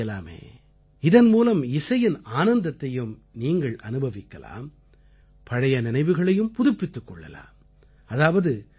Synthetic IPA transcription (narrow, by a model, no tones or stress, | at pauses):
ɐla̰ːmḛː | ɪðɐnmuːlɐmɪsɐjɪnaːnɐnd̪ɐt̪ːɐjɯm | niːŋɡɐɭɐ̰nɯbʱɐʋɪkːɐla̰ːm | pɐɽɐjɐnɪnɐɪʋɯɣɐɭɐjɯmpʊðʊpːɪt̪ːɯkːɔɭːɐ̰la̰ːm | ɐðaːʋɐðɯ